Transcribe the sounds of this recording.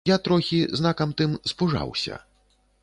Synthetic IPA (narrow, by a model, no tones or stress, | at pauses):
jat̪ɾɔxʲiznakɐmt̪ɨmspuʐa̰wsʲɐ̰